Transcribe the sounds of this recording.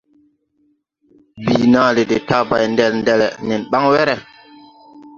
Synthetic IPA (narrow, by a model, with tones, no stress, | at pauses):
bi˨naː˨le˨de˨ta˦ba˨jndɛ˨lndɛ˨lɛ̰˨nɛ˨nɓa˦ŋwɛ˦ɾɛ˨